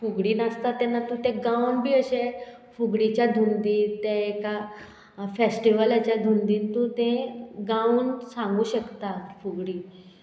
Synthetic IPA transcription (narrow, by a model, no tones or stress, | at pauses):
fuɡɽiːnast̪at̪anːat̪ũt̪eɡãʋɳbʱiːəɕe | fuɡɽit͡ɕjad̪ʱund̪iːt̪eeka | fesʈiʋəlat͡ɕjad̪ʱund̪iːnt̪ũt̪ẽɡãũːnsãŋɡuːɕəkt̪at̪fuɡɽiː